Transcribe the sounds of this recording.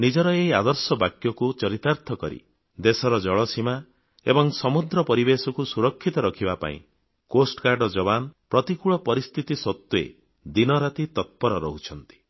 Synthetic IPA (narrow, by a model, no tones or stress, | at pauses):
nid͡ʒɔɾɔeiad̪ɔɾsɔbakjɔkut͡ʃɔɾit̪aɾt̪ʰɔkɔɾḭ | d̪esɔɾɔd͡ʒɔɭɔsima | ḛbɔŋsɔmud̪ɾɔpɔɾibesɔkusuɾɔkʰːit̪ɔɾɔkʰibapa̰ḭ̃ | kosʈkaɾɖɔd͡ʒɔβanɔpɾɔt̪ikuɭɔpɔɾist̪ʰit̪isɔt̪ːuḛ | d̪inɔɾat̪it̪ɔt̪̚pɔɾɔɾɔ̰ɦut͡ʃʰɔnt̪i̥